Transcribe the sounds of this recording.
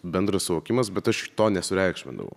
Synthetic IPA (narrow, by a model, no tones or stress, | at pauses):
bʲɛnd̪ɾɐssʊʋoːkʲɪmɐsbʲɛt̪ɐʃt̪oːnʲɛsʊɾʲæɪkʃʲmʲɪ̰nd̪ɐ̰ʋɐ̰ʊ